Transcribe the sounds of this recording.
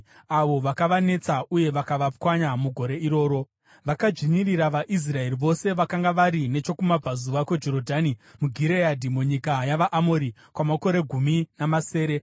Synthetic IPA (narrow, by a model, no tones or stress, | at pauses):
aʋo̞ʋakaʋane̞t͡sauje̞ʋakaʋap̚kwaɲamuɡʱo̞ɾe̞iɾo̞ːɾo̞ | ʋakad͡ʒiɲiriɾaʋaʔis̬rae̞riʋo̞se̞ʋakaŋɡaʋaɾine̞t͡ʃo̞kumab͡vazuʋake̞d͡ʒo̞ɾo̞dʱaːnimuɡʱiɾeadʱimuɲikajaʋaʔamoɾi | kwamako̞ɾe̞ɡʱuminamase̞ːɾe̞